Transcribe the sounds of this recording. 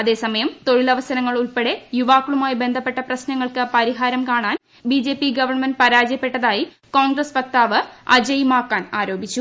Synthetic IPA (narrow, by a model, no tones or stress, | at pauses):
ɐðe̞ːsɐmɐjɐmt̪o̞ɻilɐʋɐsɐɾɐŋːɐɭuɭpe̞ɽe̞juʋaːkːuɭumaːjibe̞nd̪ʱɐpːe̞ʈːɐprɐɕnɐŋːɐɭkɨpɐɾiɦaːɾɐmkaːɳaːn | bid͡ʑe̞ːpːiɡɐʋɐrɳmɐndpɐɾaːd͡ʑjɐpːe̞ʈːɐðaːji | koːŋɡrɐspɐk̚t̪aːʋɨɐ̰d͡ʑɐjmaːkːaːnaːɾo̞ːbʱit͡ɕːu